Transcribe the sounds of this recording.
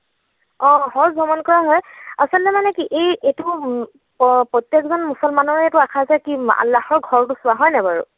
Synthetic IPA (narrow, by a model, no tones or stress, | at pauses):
ɔ̃hɔɹzɔmɔnkɔɹaɦɔjasɔlːɛmanɛkiʔejetu | pɹɔtjɛkzɔnmusɔlmanɔɹetʊakʰazɛkia̰lːaxɔɹɡʱɔɹtusʊwaɦɔjnɛbaɹṵ